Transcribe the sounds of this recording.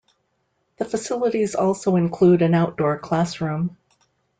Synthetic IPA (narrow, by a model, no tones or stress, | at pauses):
ðəfɨsɪlˠəɾizɔlˠsoʊɨ̃nkʰl̥uɾɨ̃naʊt̚d̥ɔɹkʰl̥æsɹʉ̃m